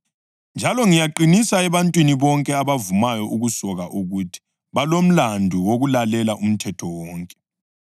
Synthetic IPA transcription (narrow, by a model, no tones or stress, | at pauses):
nd͡ʒʱalɔŋijaǃinisaɛβantʼwiniβɔŋkʼɛaβavumajɔʔuɣusɔɣaʔuɣutʰi̥ | βalom̩landʱuwoɣulalɛlaʔum̩tʰɛtʰɔwɔːŋkʼɛ̥